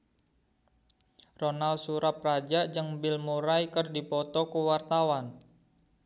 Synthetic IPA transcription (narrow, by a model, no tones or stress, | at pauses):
ronalsuɾap̚rad͡ʒaʔd͡ʒəŋbɪlmuɾajkərdipɔt̪ɔkuwart̪awan